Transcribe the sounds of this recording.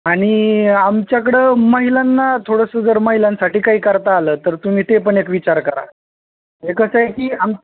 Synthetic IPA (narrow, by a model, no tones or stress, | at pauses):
aɽ̃iamt͡ɕjak̬əɽeməɦilanːat̪ʰoɽəsəd͡zəɾməɦilansaʈiːkaɦiːkəɾt̪aːləːt̪əɾt̪um̤iːt̪epəɳekʋit͡ɕaɾkəɾa̰ | ɦekəsəekiːam